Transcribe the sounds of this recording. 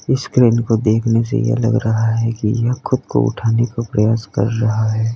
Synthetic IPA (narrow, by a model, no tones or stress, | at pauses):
ɪskɾeːnkod̪eːkʰnesḛjḛɐ̰lɐ̰ɡɾɐɦaɦɛkijɐxʊd̪ko̰ʊ̰ʈʰaːnekapɾɐjaːskɐ̰ɾːɐɦaɦɛː